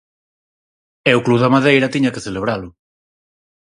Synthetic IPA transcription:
ɛʊkluðamaðejɾɐt̪iɲɐkeθeleβ̞ɾalʊ

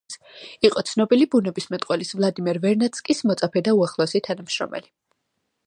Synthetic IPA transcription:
siqʼɔt̪sʰnɔbilibunɛbismɛt̪ʼqʼwɛlisvlˠad̪imɛɾvɛɾnat̪sʰkʼismɔt̪sʼapʰɛd̪auaχlˠɔɛsit̪ʰanamʃɾɔ̰mɛ̰li

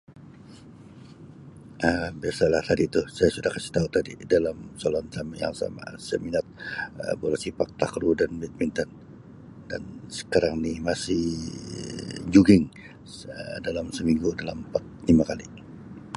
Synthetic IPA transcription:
əbiasalaht̪adit̪usajasudahkasi̥ht̪aut̪adḭdalamsolɔnsamaja̰ŋsa̰ma̰səminat̪̚əbolasipak̚t̪a̰kɾudanmit̪̚mint̪ɔn | dansə̥kaɾaŋnɪhmasɪh | d͡ʒuɡɪŋ | ədalamsəmiŋɡudalampat̪̚limakali

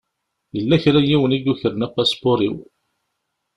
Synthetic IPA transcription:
jəlːæçɾæjiwəniɡuçəɾənæpːæsbʊɾiw

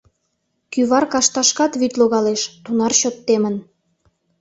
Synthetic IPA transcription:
kyβɑrkɑʃt̪ɑʃkɑt̪βyt̪loɣɑleʃt̪unɑrɕot̪ːemən

